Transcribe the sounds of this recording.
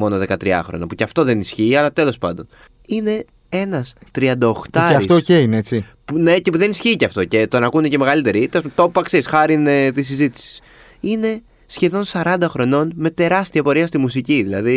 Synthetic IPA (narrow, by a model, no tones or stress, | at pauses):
mo̞no̞ðe̞kɐt̪ɾiɐ̰xɾo̞̰nɐpuceɐft̪o̞ðenisçiːɐlɐt̪e̞lo̞spɐ̰nd̪o̞n | ine̞ | e̞nɐst̪ɾiɐnd̪ɐoxt̪ɐeɐft̪oceineet͡sipune̞cepuðe̞nisçiːceɐft̪o̞ce̞t̪o̞nɐkunece̞me̞ɣɐlit̪e̞ɾit̪eos̬umt̪o̞pːɐksisxɐɾinet̪is̬izit̪i̥si̥s | ine̞ | sçe̞ðo̞nsɐɾɐnd̪ɐxɾo̞no̞nme̞t̪e̞ɾɐst̪iɐpo̞ɾiɐst̪imusiciðilɐði